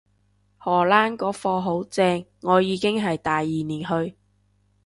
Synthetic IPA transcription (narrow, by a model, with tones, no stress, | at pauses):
hɔː˨˩laː˥nkɔː˨˧fɔː˧ɦo˨˥wt͡sɛː˧ŋːɔː˨˧jiː˨˧kɪ˥ŋɦɐ˨jt̪aː˨jːiː˨niː˨˩nɦɵ˧ɥ